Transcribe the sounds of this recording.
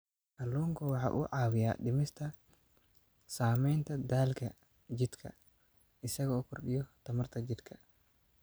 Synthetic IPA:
hɐlːuːŋkʰɐwɑħɑ̰ːʔṵːʕɑːwɪja̰ːɗɪmɪst̪ʰɐ | saːmɛjnt̪ʰɐd̪aːlkʰɐ | d͡ʒɪd̪kʰɐ̰ | ɪsɐɣɔːkʰʊrɖɪjɔt̪ʰɐmɐrt̪ʰɐd͡ʒɪd̪kʰɐ

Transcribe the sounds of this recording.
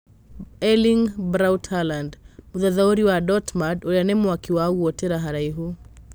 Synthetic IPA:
ɛliŋbɾawtʰalandmuðaðauɾiwadɔtmadoanɛmwakiwaɡuɔtɛɾaɦaɾaiɦu

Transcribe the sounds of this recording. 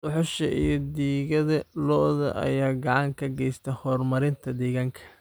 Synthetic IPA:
d̪ɔħɔʃɐʔijɞd̪iːɣɐðɐlɔʔðɐ̰ʔɐ̰jaːɡɑʕɑŋkʰɐɡɛjst̪ʰɛhɔːrmɐɾɪnt̪ʰɐd̪ɛːɣaːŋkʰɐ̥

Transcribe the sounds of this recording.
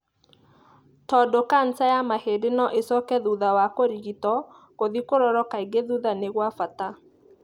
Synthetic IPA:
tɔdokan̩tajamahedenɔʔesɔkɛðuðawakoɾiɣitɔ | koðikoɾɔɾɔkaiɡeðuðaneɣwafata

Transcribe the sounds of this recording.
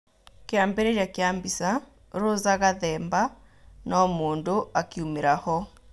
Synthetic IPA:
keaːmbeɾeɾjakeaːmbisa | ɾozaɣaðɛːmba | nɔmoːndoakiumeɾahɔ

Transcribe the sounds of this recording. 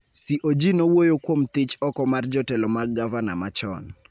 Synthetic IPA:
siʔod͡ʒinowojokwomt̪ɪt͡ʃɔkɔmard͡ʒɔtɛlɔmaɡavana̰mat͡ʃɔ̰n

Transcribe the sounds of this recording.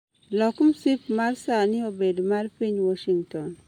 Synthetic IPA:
lɔkumsipmarsanɪobedmarpiɲwɔʃiŋtɔn

